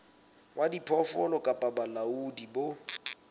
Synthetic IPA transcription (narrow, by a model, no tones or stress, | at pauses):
wadipʰɔfɔlɔkʼapʼabalaudibo